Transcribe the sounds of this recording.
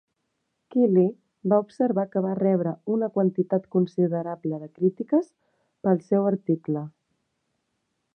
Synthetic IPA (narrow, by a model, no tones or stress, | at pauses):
kili | baupsəɾβakəβarɛβɾəunəkwənt̪it̪at̪kunsiðəɾabləðəkɾit̪ikəs | pəlˠsɛwəɾt̪iklə